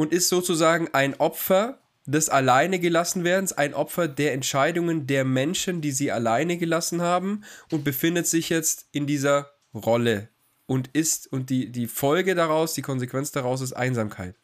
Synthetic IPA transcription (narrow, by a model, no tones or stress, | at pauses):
ʔʊntɪstz̥oːt͡suzaːɡŋ̩ʔaɪnʔɔpfɐ | d̥ɛsalaɪnəɡəlasn̩veːɐdn̩sa̰ɪnʔɔpfɐdeːɐɛntʃaɪdʊŋəndeːɐmɛnʃəndiːziːa̰laɪnəɡəlasn̩haːbm̩ʔʊnt̚b̥əfɪndətz̥ɪçjɛt͡stɪndiːzɐ | ʁɔlə | ʔʊntɪstʊnt̚d̥iːdiːfɔlɡədaʁaʊsd̥iːkʰɔnzekv̥ɛnt͡sd̥aʁaʊs̬ɪstʔa̰ɪnzaːmkʰa̰ɪt